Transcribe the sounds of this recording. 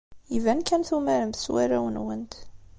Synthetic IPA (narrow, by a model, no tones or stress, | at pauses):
ivænkænθumæɾəmθswæɾæwənwənt̪